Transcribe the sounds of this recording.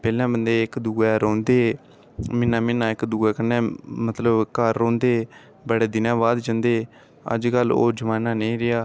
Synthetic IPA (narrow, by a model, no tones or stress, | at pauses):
pɛːlãːbənd̪eːɪkd̪uːɡɛːɾõːnd̪eː | mɪnãːmɪnãːɪkd̪uːɛːkənɛ̃ːmət̪ləbkəɾːõːnd̪eː | bəɽeːd̪ɪnãːbaːd̪d͡ʒə̃nd̪eː | ə̰d͡ʒkəlo̰ːd͡ʒəmaːnaːnəĩːɾɪaː